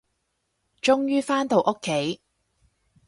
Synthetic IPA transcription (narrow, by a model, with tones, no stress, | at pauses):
t͡ʃʊ˥ŋjyː˥faː˥nt̪o˨wʔʊ˥kʰːe˨˥j